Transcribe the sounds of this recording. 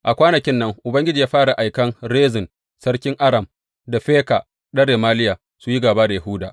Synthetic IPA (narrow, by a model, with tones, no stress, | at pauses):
ʔa˨kʷaː˦nɐ˨kʲɪ˦nːɐ˦ŋʔʊ˨bɐ˦ŋɡʲɪ˦d͡ʒiː˨jaː˦ɸaː˦ɽa˨ʔa˨jkɐ˦nɾeː˦zɪ˨n | sɐ˦rkʲɪ˦ŋʔa˦ɾɐ˨m | da˨ɸeː˦ka˨ | ɗɐ˦ɽeː˨maː˦lɪ˦jaː˨ | su˦ji˦ɡaː˨baː˦da˨ja˨hʊ˦daː˨